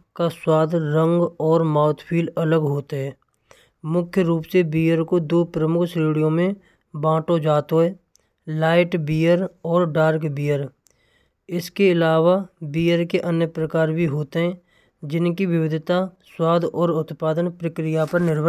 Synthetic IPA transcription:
kaswaːd̪ʱɾə̃ŋɡɔːɾmaːʊt̪ʰpʰiːlələɡɦoːt̪eɦɛː | mʊkʰjəɾuːpsebiːəɾkod̪oːpɾəmʊkʰsiːɽijõmẽ | bãːʈod͡ʒaːt̪oɦɛː | laːɪʈbiːəɾɔːɾɖaːɾkbiːəɾ | ɪskeɪlaːʋabiːjəɾkeʔənjəpɾəkaːɾbʱiɦoːt̪eɦɛ̃ː | d͡ʒɪnkiʋɪwɪd̪ʱɪt̪aswaːd̪ʱɔːɾʊt̪paːd̪ənpɾəkɾɪjapəɾnɪɾb

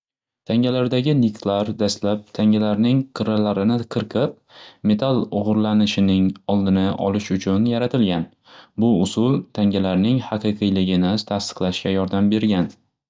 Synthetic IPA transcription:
t̪ʰaŋʲalaɾd̪aɡʲɪnɪkt̪laɾd̪ast̪lap̚t̪ʰaŋʲalaɾnɪŋqʰɨɾalaɾɪnɪqʰɨɾqʰɨp̚ | me̞t̪ʰalˠʊʁʊɾlanɪʃɪnɪŋɒlˠd̪ɪnɪʔɒ̰lɪʃʊt͡ʃʰʊnjaɾat̪ʰɪlɡʲan | bʊʊsʊlˠt̪ʰaŋʲalaɾnɪŋhɑqɨjqʰɨjlɪɡʲɪnɪt̪ʰast̪ɨ̥qlˠaʃkʲajɒɾd̪ambe̞ɾɡʲan

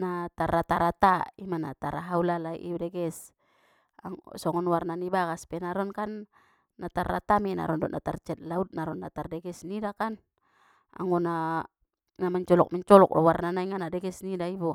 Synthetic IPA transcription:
nat̪arat̪aɾat̪aimanat̪aɾaɦaulalaḭʔibdɛɡɛs | a̰ŋɔ̰sɔŋɔnwarnanibaɡaspɛnaɾɔnkanː | at̪arːa̰t̪amɛna̰ɾɔndɔʔnat̪art͡ʃɛt̪̚laut̪̚naɾɔnːat̪ardɛɡɛsnidakan | a̰ŋɔna | namaɲt͡ʃɔlɔ̰k̚maɲt͡ʃɔlɔk̚ɔ̰warnanaiŋanadɛɡɛsnidaibu

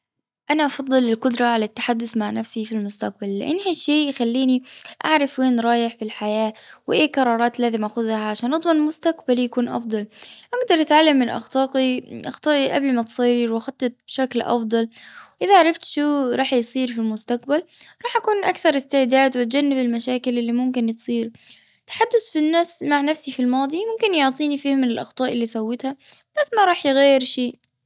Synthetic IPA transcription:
ʔanaʔɑfɑd̪ˤːɨlɪlqʊd̪ɾˤɑʕalat̪ːḁħad̪ːʊθmaʕnafsifilmʊst̪aq̚balːɪ̰ʔɪnːhaʃːeːjxalːiːniʔa̰ʕɾˤɑfweːnɾˤɑːjɪħfilħajaːwɪʔeːkɑɾˤɑːɾˤɑːt̪laːzɪmʔaxʊðhaʕaʃaːnʔɑd̪ˤmɑnlmʊst̪aqbaljakuːnʔɑ̰fd̪ˤɑlʔaɡd̪ɑɾˤʔat̪ʕalːamːɪnʔɑ̰xt̪ɑːqiʔɑxt̪ˤɑːʔiʔa̰blmat̪sˤiːɾwxɑt̪ˤːɨt̪̚b̥ʃaklʔɑ̰fd̪ˤɑlwʔɪðaʕaɾˤɑft̪ʃuːɾˤɑːħjsˤiːɾfilmʊst̪aqbalɾˤɑːħʔakuːnʔakθɑɾˤɪst̪ɪʕd̪aːd̪wɪt̪̚d͡ʒanːɪbɪlmaʃaːkɪlɪlːimʊmkɪnt̪sˤiːɾ | t̪ḁħad̪ːʊθfinːaːsmaʕnafsifilmɑːd̪ˤimʊmkɪnjʊʕt̪ˤiːnifiːmːɪnɪlʔɑxt̪ˤɑːʔɪlːisawːɪt̪hab̥asːmaɾˤɑːħjɪɣajːɪɾʃeː

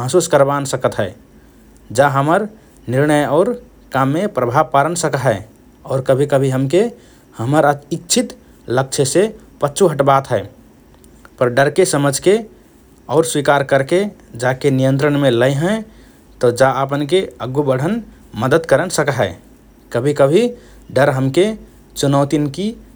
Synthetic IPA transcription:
maɦsuskəɾbansəkət̪ɦəe | d͡ʒaɦəməɾ | niɾnəjɔʊɾ | kamːepɾəbʱaʋpaɾənsəkəɦə | ɔːɾkəbʱikəbʱiɦəmke | həməɾaikt͡ʃʰit̪ | lək̚t͡ʃʰese | pətːt͡ʃʰuɦəʈbat̪ɦəe | pəɾɖəɾkesəməd͡ʒʱke | ɔʊɾswikaɾkəɾked͡ʒakenijə̃nt̪ɾənmeləɪɦə̃ | t̪ɔd͡ʒaəpənkeəɡubəɽ̤ən | məd̪əd̪kəɾənsəkaɦɛ | kəbʱikəbʱi | ɖəɾɦəmke | t͡ʃunəʊt̪inki

